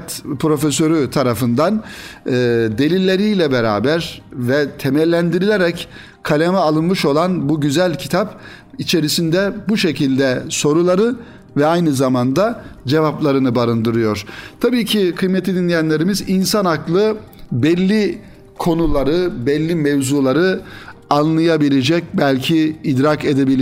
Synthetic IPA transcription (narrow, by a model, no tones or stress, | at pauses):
t̪pɾo̞fesø̞ɾyt̪ʰaɾafɯnd̪anː | d̪e̞lʲilʲːe̞ɾijlʲɛbeɾa̰ːbæɾvɛt̪ʰemæɾlʲːænd̪iɾilʲeɾɛc | kʰalʲemɛalˠɯnmɯʃo̞lˠanbuɟyzælʲcʰi̥t̪ʰap | it͡ʃʰe̞ɾisind̪ɛbuʃe̞cʰilʲd̪ɛso̞ɾulˠaɾɯ | vɛajnɯzamand̪ad͡ʒe̞vaplˠaɾɯnɯbaɾɯnd̪ɯɾɯjo̞ɾ̥t̪ʰabiːcʰikʰɯjmet̪ʰid̪inlʲijænlʲe̞ɾimizinsanaklˠɯ | bɛlʲːi | kʰo̞nulˠaɾɯbɛlʲːimevzuːlˠaɾɯanlˠɯjabilʲed͡ʒɛc̚bælʲcʰiːd̪ɾakʰe̞d̪ebilʲ